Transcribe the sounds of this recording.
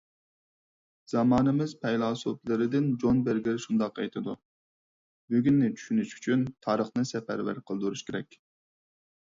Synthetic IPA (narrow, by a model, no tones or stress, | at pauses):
z̥ɑmɑːnɨmɪz̥pʰɛjlˠɑːsoplˠɨɾɪd̪ɪnd͡ʒonbɪɾɡʲɪɾʃund̪ɑqɛ̰jt̪ʰɨd̪u | byɡʲynːɪt͡ʃʰy̥ʃynyʃy̥t͡ʃʰynt̪ʰɑːɾəχnɨsɛpæɾvæ̰ɾqʰəlˠd̪uɾuʃkʲeɾɛ̰kʲ